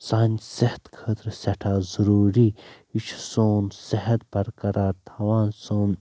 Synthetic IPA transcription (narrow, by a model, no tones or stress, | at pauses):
saːnʲsɐht̪kʰəːt̪ɾsʲɐʈʰaːzɐɾuːɾiː | it͡ʃʰsoːnsɐɦɐt̪̚bɐɾkɐɾaːɾt̪ʰɐʋaːnsoːn